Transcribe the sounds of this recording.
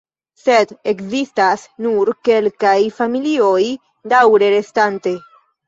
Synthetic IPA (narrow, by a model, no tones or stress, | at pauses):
sed̪ekzist̪asnuɾkelkajfamilioj | d̪awɾeɾest̪ant̪e